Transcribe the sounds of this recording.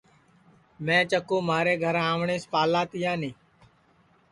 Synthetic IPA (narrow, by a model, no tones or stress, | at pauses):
mɛ̃ːt͡ʃəkõːmaːɾeːɡʱəɾãːʋɳeːspaːlaːt̪ɪjãːnẽː